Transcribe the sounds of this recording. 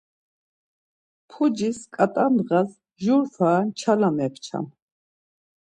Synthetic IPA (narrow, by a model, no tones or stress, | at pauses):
pʰud͡ʒiskʼat̪ʼand̪ʁas | ʒuɾfʰaːnt͡ʃʰalamɛqt͡ʃʰa̰m